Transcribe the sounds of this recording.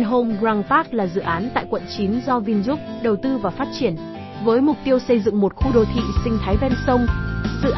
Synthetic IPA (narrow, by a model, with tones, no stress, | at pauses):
nɦo˧mɣzaː˧ŋfaː˦˥k̚laː˨˩zɨ̰˧˨ʔaː˨˦nt̪a̰ː˧˨jkwə̰˧˨nt͡ɕi˨˦nzɔ˧vi˧nzʊ˦˥k͡p̚ɗə˨˩wt̪ɨ˧vaː˨˩faː˦˥t̚t͡ɕi˧˩ən | vəː˨˦jmʊ˨˩k͡p̚t̪i˧əwsə˧jzɨ̰˧˨ŋmo˨˩t̚xu˧ɗo˨˩t̪ʰḭ˧˨sï˧ŋ̟t̪ʰaː˨˦jvɛ˧nsə˧wŋ͡mzɨ̰˧˨ʔ